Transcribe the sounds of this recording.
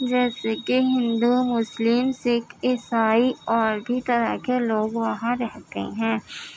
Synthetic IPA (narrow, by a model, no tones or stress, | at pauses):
d͡ʒɛːsekeɦɪ̃nd̪umʊslɪmsɪkɪsaːiɔːɾɖit̪ɐɾakeloːɡʋɐɦãɾɛɦt̪ḛɦɛ̃ː